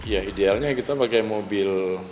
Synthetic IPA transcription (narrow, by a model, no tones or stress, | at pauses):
jaidealɲakit̪apakajmobɪl